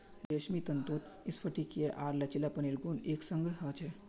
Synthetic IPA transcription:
d̪eʃmit̪ənt̪un | ɪsfʰəʈikeʔaːɾlɐt͡ʃilapəniɾɡoːneːksəŋɡəɦət͡ʃʰe

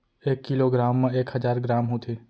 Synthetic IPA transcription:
eːkːɪloːɡɾaːmːẽeːkhəzaːɾɡɾaːmɦot̪ʰeː

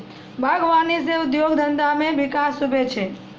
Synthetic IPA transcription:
bʱaɡʋaniseʊd̪joɡd̪ʱənd̪ameʋɪkasubʱet͡ʃʰe

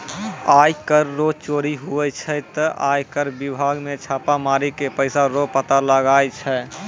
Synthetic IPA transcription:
aːjkəɾːot͡ʃoːɾiɦuɛt͡ʃʰɛt̪əʔaːjkəɾbɪbʱaːɡmẽt͡ʃʰaːpamaːɾikepəɪsaɾopət̪aləɡaːjt͡ʃʰɛ

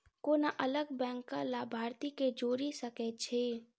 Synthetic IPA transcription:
koːnaʔələɡbɛ̃ːŋkːalaːbʱaːɾt̪iked͡ʒoːɾisəkɛt͡ʃʰeː

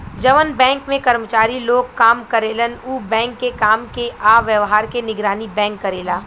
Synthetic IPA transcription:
d͡ʒɐʋənbɛ̃ːŋkmẽkɐɾmət͡ʃaːɾiloːɡ̚kaːmkɐɾeːlənuːbɛ̃ːŋkːekaːmkeʔaːʋjəʋɦaːɾkenɪɡɾaːnibɛ̃ːŋkːɐɾeːlaː

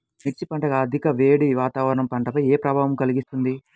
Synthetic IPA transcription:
miʈt͡ʃːipɐɳʈɐɡɐːd̪ʱikɐʋeːɽiʋaːt̪aːʋɐɾɐɳɐmpɐɳʈɐpɐjeːpɾɐbʱaːʋɐmkɐliɡist̪und̪i

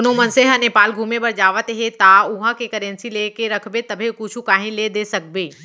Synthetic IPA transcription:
ʊnõmɐnseɦəneːpaːlɡʱũːmebɐɾd͡ʒaːʋət̪ɦet̪aʊɦãkekɐɾẽnsileːkeɾɐkʰbet̪ɐbʱekʊt͡ʃʰukaːɦĩled̪esɐk̚beː

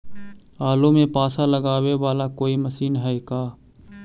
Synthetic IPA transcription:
aːlõmẽpaːsalɐɡaːweʋaːlakoːimɐsiːnɦɛekaː

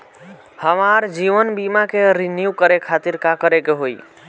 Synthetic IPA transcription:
həmaɾd͡ʒiʋənbimakeɾinjukəɾekʰat̪iɾkakəɾekeɦoj

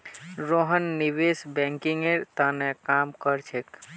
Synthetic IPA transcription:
ɾoɦənːiʋesbɛ̃ŋkiŋeɾt̪anɛkamkəɾt͡ʃʰek

